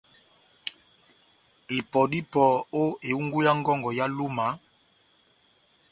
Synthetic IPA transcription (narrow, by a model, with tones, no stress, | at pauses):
e˨pɔ˨di˦pɔ˨o˦e˨u˦ŋɡu˦ja˦ŋ˦ɡɔ˦ŋɡɔ˨ja˦lu˦ma˨˦